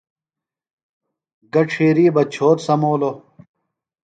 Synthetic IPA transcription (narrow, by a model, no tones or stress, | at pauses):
ɡɐʈ͡ʂʰeːɾiːbɐt͡ɕʰoːt̪sɐmoːlo